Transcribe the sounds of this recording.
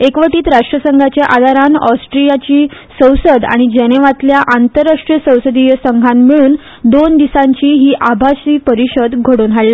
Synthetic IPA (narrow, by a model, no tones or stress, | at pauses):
ekʋəʈiːt̪ɾaʂʈɾəsəŋɡʱat͡ɕjaʔad̪ʱaɾanɔsʈɾijat͡ɕiː | sə̃wsəd̪a̰ɽ̃id͡ʑeñeʋat̪ljaʔant̪əɾːaʂʈɾiəsə̃wsəd̪ijəsəŋɡʱanmiɭuːn | d̪ond̪isãɲt͡ɕiːɦiːʔabʱasiːpəɾiɕəd̪ɡʱəɽuːnɦalle